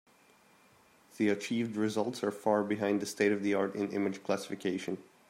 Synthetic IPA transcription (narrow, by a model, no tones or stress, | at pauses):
ðiɨt͡ʃʰiːvd̚ɹɪzʌlˠtsə˞fɑɹbɨɦãɪ̃nðɨsteɪɾʌvðiɑɹɾɪ̰̃nɪ̰̃mɨ̥d͡ʒ̥kʰl̥æsɪ̥fɨkʰeɪʃɨ̃n